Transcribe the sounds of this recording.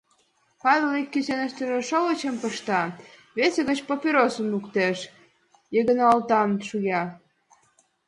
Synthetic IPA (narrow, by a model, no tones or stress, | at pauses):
pɑβʲelikʲːysenə̆ʃt̪əʒĕʃoɣə̆t͡ɕə̆mpəʃt̪ɑ | βeseɣə̆t͡ɕpopʲiɾosə̆mlukt̪eʃ | jeɣə̆nɑlt̪ɑmʃujɑ